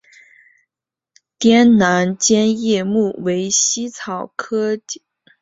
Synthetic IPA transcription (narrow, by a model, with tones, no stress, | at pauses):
t̪jɛ˥nna˧˥nt͡ɕjɛ˥njɛ˥˧mu˥˩we˧˥ɪɕi˥t͡sʰɑ˨˩ʊkʰɤ˥˩